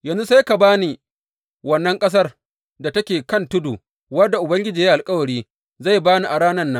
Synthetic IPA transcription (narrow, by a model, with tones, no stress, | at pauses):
jɐ˨nzu˦sa˦jka˨baː˦ni˨ | wɐ˦nːɐ˦ŋkʼɐ˦s̬ɐ˦r | da˨tɐ˦kʲeː˨kɐ˦ntʊ˦duː˨ | wɐ˦dːa˨ʔʊ˨bɐ˦ŋɡʲɪ˦d͡ʒiː˨ja˦ʔa˨lkʼɐ˦wɐ˨ɽiː˦ | za˦˨jbaː˦ni˨ʔa˨ɽaː˦nɐ˦nːa˦